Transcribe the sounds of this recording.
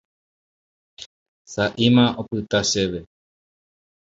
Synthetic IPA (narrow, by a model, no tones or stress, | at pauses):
saʔimãopɨt̪aʃeʋe